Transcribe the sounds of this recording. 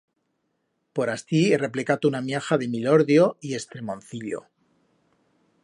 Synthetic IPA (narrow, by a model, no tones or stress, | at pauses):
po̞ɾast̪iere̞plekat̪ounamjaxaðe̞miloɾðjoie̞st̪ɾe̞mõn̟θiʎo̰